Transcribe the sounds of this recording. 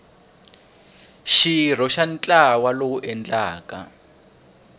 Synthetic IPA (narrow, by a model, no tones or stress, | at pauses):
ʃir̤ɔʃant͡ɬʼawalouʔɛnd͡ɮaːka̰